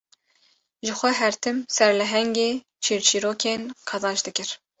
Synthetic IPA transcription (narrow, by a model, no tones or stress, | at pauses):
ʒɨxʷɛɦɛɾt̪ʰɨmsɛɾlɛɦɛŋɡeː | t͡ʃʰiːɾt͡ʃʰiːɾoːkʰeːnqʰɑzɑːʃd̪ɨkɨɾ